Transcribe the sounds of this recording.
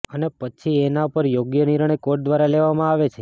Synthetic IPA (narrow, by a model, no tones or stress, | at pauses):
ənepət͡ʃʰienaupəɾjoɡjəniɾəɳ̃ekoɾʈ̚d̪ʋaɾaleʋamãaʋet͡ʃʰe